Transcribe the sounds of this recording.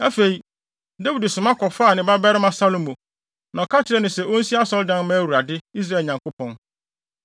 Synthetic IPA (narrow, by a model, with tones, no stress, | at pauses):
æ˦fe˨i˨ | dæ˦wi˨dsʊ̃˨mã˦kʰɔ˨fa˦˨nɪ̃˨ba˦bɛ˦ɾɪ˦mã˨sa˦lo˨mõ˨ | nã˨kʰa˦tʰɪ˨ɾɛ˨nɪ̃˨sɛ˨ʔo˦n̩˦si˦a˦sɔ˦ldã˦n˦mã˦æ˦wu˨a˨dɪ˦i˦s̬ɾa˦˨ɛ˨ɲã˨ŋko˦pʰɔ̃˦n